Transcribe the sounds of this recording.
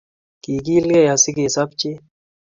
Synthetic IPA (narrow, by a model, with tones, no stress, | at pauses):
ki˨ki˦lɡɛ˦˨ja˨si˦ke˨sa˦p̚t͡ʃi˦